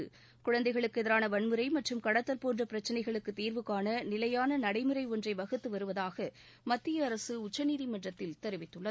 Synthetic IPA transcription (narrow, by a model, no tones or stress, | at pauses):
ɯ̰ | kʊɻɐnd̪ɐɪɣɐɭɯkːɯɛðɐɾaːnɐʋɐɳmɯɾɐɪmɐʈrɯmkɐɽɐt̪ːɐlpoːnɳdrɐpɪɾɐt͡ʃːɐnɐɪɣɐɭɯkːɯt̪ːiːɾʋɯkːaːnɐnɪlɐjaːnɐnɐɽɐɪmɯɾɐɪɔndrɐɪʋɐɣɯt̪ːɯʋɐɾɯʋɐðaːɣɐ | mɐt̪ːɪjɐːɾɐsɯʊt͡ʃːɐniːðimɐndrɐt̪ːɪlt̪ɛɾɯʋɪt̪ːɯɭːɐ